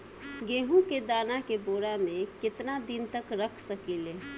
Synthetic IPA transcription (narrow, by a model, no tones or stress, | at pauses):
ɡeɦũked̪anakeboɾamekɪt̪nad̪int̪əkɾəkʰsəkile